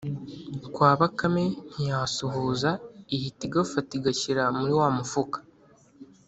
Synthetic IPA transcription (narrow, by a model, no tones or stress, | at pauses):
kwaːβakamen̥ijasuɦuːzaihitiɡafatiɡaciɾamuɾiwaːmufukḁ